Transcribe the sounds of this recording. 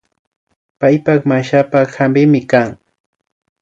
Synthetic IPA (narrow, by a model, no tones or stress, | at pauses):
pajpakmaʃapahambɪmɪkaŋ